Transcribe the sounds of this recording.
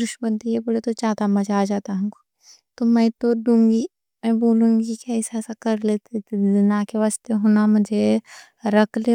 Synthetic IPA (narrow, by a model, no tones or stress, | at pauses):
d̪ʊʃbə̃nt̪ijebɐɽet̪ot͡ʃaːt̪amɐd͡ʒːd͡ʒaːt̪aɦũːko̥ | t̪omɛ̃ːt̪oɖũːŋɡi | mɛ̃boːlũːŋɡikaɪsɛːsakɐɾlet̪ezɪnakeʋaːst̪eɦoːnamʊd͡ʒʱe | ɾɐkʰle